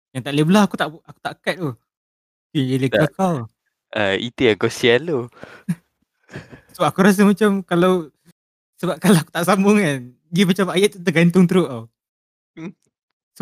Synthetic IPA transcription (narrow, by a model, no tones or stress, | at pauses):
jaŋt̪aʔleblahakut̪aʔaku̥t̪aʔkat̪̚u | kijəlekakaw | ʔəḭt̪iakɔsialo | səbap̚akuɾas̬əmat͡ʃamkalaw | səbap̚kalaaku̥t̪aʔsambʊŋkan | ɡimat͡ʃamajaʔ̪̚t̪əɡant̪ʊŋt̪ɾʊʔaw | ə